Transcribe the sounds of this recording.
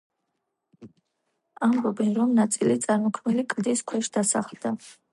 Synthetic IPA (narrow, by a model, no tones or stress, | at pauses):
ambɔbɛnɾɔmnat̪sʼilit̪sʼaɾmɔkʰmɛlikʼd̪iskʰwɛʃd̪̥asaχlˠd̪a